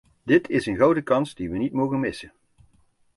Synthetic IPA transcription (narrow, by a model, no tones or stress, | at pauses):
dɪtʰɪsənɣɑwdəkɑnsdiʋənitmowɣənmɪsən